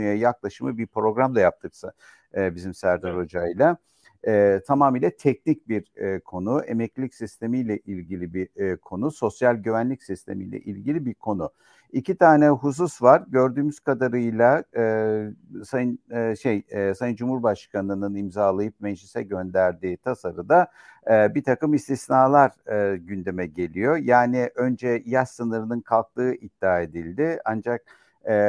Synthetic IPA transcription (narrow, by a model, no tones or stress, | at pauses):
ɯjajaklˠaʃɯmɯbiɾpɾo̞ɡɾamlˠajap̚t̪ʰɯksaː | bizimsæɾd̪aɾo̞d͡ʒajlˠa | ɛːt̪ʰamaːmijlʲɛt̪ʰɛcnic̚biɾkʰo̞nuḛmɛclʲicsist̪ʰe̞mijlʲɛʔilʲɟilʲibikʰo̞nuso̞sjalʲɟyvænlʲicsist̪ʰe̞̰mḭjlʲɛ̰ʔilʲɟilʲibiɾkʰo̞nʊ | icʰit̪ʰaːnɛɦus̬usvaɾɟø̞ɾd̪yːmyz̥kad̪aɾɯjlˠa | saʃejsajɯnd͡ʒumhuɾbaʃkʰanɯnɯnimzaːlˠajɯp̚mɛd͡ʒlisɛɟø̞nd̪æɾd̪iːt̪ʰasaɾɯd̪a | bit̪ʰakɯmist̪ʰisnaːlˠaɾɟynd̪e̞mɛɟe̞lʲijo̞jaːniʔønd͡ʒɛjaʃsɯnɯɾɯnɯnkʰalˠk̚t̪ˠɯːʔid̪̥ːaːe̞d̪ilʲd̪ɪand͡ʒak̚ː